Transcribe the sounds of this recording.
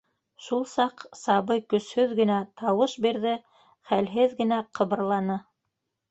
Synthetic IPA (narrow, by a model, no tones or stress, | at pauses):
ʃulˠsɑqsɑβɤjkɵ̆shɵðɡɘ̆næt̪ɑwɤʃbiɾðɘ | χælɦɘðɡɘ̆næqʰɤ̆βɤ̆ɾlˠɑnɤ